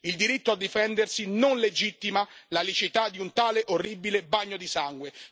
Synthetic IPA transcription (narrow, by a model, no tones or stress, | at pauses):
ild̪iɾit̪ːoad̪ːifɛnd̪ersinonled͡ʒit̪ːimalalit͡ʃit̪ad̪ːiunt̪aːleʔorːibilebaɲːod̪isaŋɡwe